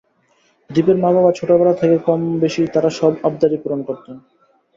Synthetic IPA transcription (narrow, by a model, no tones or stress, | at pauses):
d̪ipeɾmababat͡ɕʰoʈabaɾat̪ʰekekɔmbeʃit̪aɾaʃɔbab̚d̪aɾipuɾonkoɾt̪en